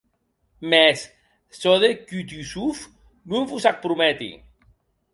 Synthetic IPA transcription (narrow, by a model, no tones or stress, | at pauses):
mesː | oðekyt̪ysuf | nuŋvusak̚pɾumɛt̪ḭ